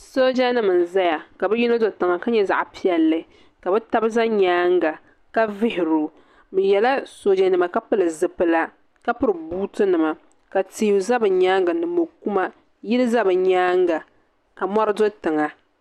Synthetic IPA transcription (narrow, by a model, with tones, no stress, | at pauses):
so˦d͡ʒa˦nɨ˨mɨ˨n˨za˦ja˨ka˨bɛ˦ji˦no˦zo˨tɨ˨ŋa˨ka˦ɲɛ˦za̰˨ʔpi˦ɛ˨lːɨ˨ | ka˨bɛ˦ta˦bɨ˦za˦ɲaː˦ŋɡa˨ | ka˦vɪ˦hɪ˨ɾu˨ | mɨ˨jɛ˨la˦so˨˦d͡ʒa˨nɨ˨ma˨ka˦pɨ˦lɨ˨zɨ˨pːɨ˦la˦ | ka˦pʊ˦ɾɨ˨buː˦tɨ˦nɨ˨ma˨ | ka˨ti˦˨˦u˨za˦bɨ˨ɲaː˦ŋɡɨ˨nɨ˨mo˨ku˦ma˦ | jɪ˦lɨ˦za˦bɨ˨ɲaː˦ŋɡa˨ | a˨mɔ˦ɾɨ˦do˦tɨ˨ŋa˨